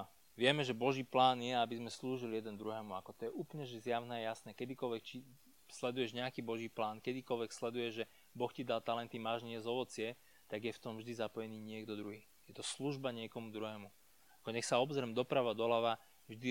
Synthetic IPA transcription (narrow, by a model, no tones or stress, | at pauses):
ʋɪɛmɛʒɛbɔʒiːplaːnjɛabizmɛsluːʒilijɛd̪ɛnd̪ɾuɦɛːmuakɔt̪ɔjɛʔuːplɲɛʒɛzjaʊnɛːajasnɛːkɛd̪ikɔlʋɛkt͡ʃi | slɛd̪ujɛʒɲɛakiːbɔʒiːplaːnkɛd̪ikɔlʋɛkslɛd̪ujɛʒʒɛ | bɔxcid̪alt̪alɛnt̪imaːʒɲɛzɔʋɔt͡sɪɛ | t̪aɡjɛft̪ɔmvʒd̪izapɔjɛniːɲɪɛɡd̪ɔd̪ɾuɦiː | jɛt̪ɔsluʒbaɲɪɛkɔmud̪ɾuɦɛːmu | akɔɲɛxsaɔbzɾɛmd̪ɔpɾaʋad̪ɔlaʋa | vʒd̪i